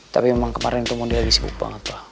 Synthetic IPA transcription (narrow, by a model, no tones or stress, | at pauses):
t̪apimɛmaŋkəmaɾɛŋt̪umɔdiabisibṵk̚ba̰ŋət̪a